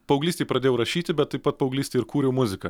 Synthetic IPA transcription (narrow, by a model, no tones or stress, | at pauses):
pɐʊɡlʲiːsʲtʲeɪpɾɐd̪ʲeːjɛʊɾɐʃʲiːt̪ʲɪbʲɛt̪t̪ːɐɪpɐt̪̚pɐʊɡlʲiːsʲt̪ʲeɪɪɾkuːɾʲɛʊmʊzʲɪkɐ